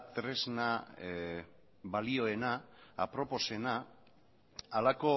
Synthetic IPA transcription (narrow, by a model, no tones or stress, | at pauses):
t̪ɾe̞zna | βalio̞e̞na̰ːpɾo̞po̞se̞na | lako̞